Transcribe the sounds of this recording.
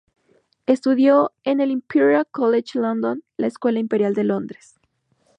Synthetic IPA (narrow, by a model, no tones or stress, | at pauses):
e̞st̪uðjo̞ene̞limpʰiɾjakolet͡ʃlond̪onlaeskwe̞laimpeɾjald̪e̞lo̞nd̪ɾes